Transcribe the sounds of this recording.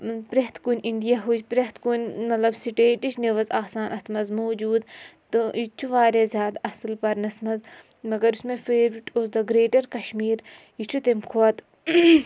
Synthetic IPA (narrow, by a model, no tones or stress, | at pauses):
pɾet̪ʰkunʲʔiɳɖijaɦut͡ʃpɾeht̪kunʲmɐt̪lɐbsiʈeːʈiʃneʋɐzaːsaːnʔɐt̪ʰmɐzmoːd͡ʒuːd̪t̪ɨit͡ʃʰuʋaːɾezʲjaːd̪ɐslpɐɾnɐsmɐz | mɐɡɐɾusmẽfeːɾʋiʈoːsd̪ɐɡɾeːʈɐɾkɐʃmiːɾ | it͡ʃʰut̪emkʰoɐt̪